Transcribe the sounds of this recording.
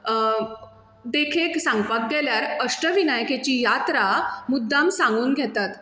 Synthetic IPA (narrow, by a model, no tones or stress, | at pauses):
d̪ekʰeksãŋɡpak̚ɡɛljaɾəʂʈəʋinajket͡ɕiːjat̪ɾamud̪ʱːamsãŋɡuːnɡʱɛt̪at̪